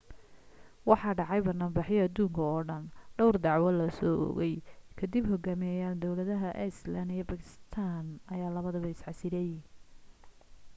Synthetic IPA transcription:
wɑħɑːɖɑʕɑjbɐnaːmbɑħjɛɐd̪uːŋkʰɐɔːɖɐnɖɔwrd̪ɑʕwɐlɐsɔʔɔ̰ɣɛjkʰɐd̪ɪbɦɔɡaːmɪjɐjaːld̪ɔwlɐðɐɦɐʔɛ̰slanɪjɐbɐkʰɪ̥sst̪ʰaːnɐjaːlɐβɐðɐβɐɪsʕɑsɪɾɛj

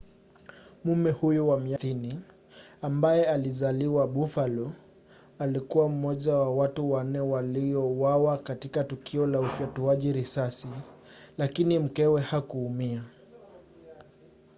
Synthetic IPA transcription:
mumɛhujuwamiaθini | ambajɛalizaliwaɓufalɔ | alikuwam̩mɔʄawawatuwan̩nːɛwalijɔwawakatikatukʰiɔlaufjatuaʄiɾisasilakinim̩kɛwɛhakuːmia

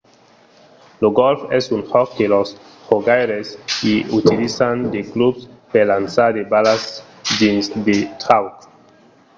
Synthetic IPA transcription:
loɡɔlfɛsunhɔkːelos | hoɡajɾeskiut̪ilisand̪eklubspeɾlansaɾd̪ebalas | dinsd̪et̪ɾawk

